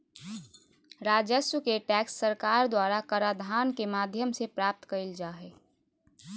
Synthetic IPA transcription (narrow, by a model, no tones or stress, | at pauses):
ɾaːd͡ʒəswəkeʈɛːksːəɾkaːɾd̪waːɾakəɾaːd̪ʱaːnkemaːd̪ʱjəmsepɾaːp̚t̪kəild͡ʒaːɦeː